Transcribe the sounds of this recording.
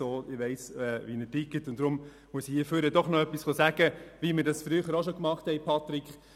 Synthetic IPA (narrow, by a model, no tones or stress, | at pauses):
oːɪʋɛɪsɛʋinətɪkətʊntd̥ɾʊm | muəsihiəføɾədɔχnɔœpːisχosæːɡ̥əʋiməɾdɑsfɾyːχəɾoʃokmɑχthɛɪpʰɑt̪ɾikχ